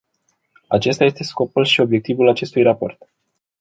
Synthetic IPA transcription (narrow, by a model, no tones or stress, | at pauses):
a̰t͡ʃe̞st̪aje̞st̪e̞sko̞pulʃio̞bje̞k̚t̪ivulat͡ʃe̞st̪ujrapo̞̰rt̪